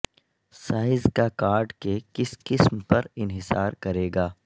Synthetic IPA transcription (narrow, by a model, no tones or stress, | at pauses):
saːɪzkakaːɾɖkekɪskɪsmpɐɾɪnɦɪsaːɾkɐɾeːɡaː